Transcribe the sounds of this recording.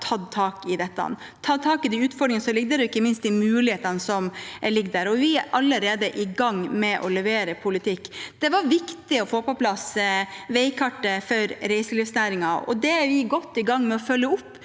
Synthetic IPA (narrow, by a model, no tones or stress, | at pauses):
t̪ʰɑd̪t̪ʰɑːkɪd̪ɛt̪ːɑ̰n | t̪ʰːɑt̪ʰɑːkɪd̪ɪʉːt̪fɔɾɖɾɪŋnsɔlɪɡ̚d̪əɾɛɪkːəmɪnst̪d̪ɪmʉːlɪheːt̪ɑnəsɔmlɪɡd̪æɾɔʋɪæʔɑlːəɾeːd̪əʔɪɡɑŋːmɛʔɔlɛʋeːɾəpʰʊlɪt̪ʰɪkːd̪̥ɛʋɑɾʋɪkt̪ɪɔfoːpɔplɑsʋɛɪkʰɑʈːəfɔɾɾæɪsəliːfsnæːɾɪŋɑɔ̰d̪ɛæɾʋɪɡɔt̪ːɪɡɑŋːmɛɔfœlːəʊpː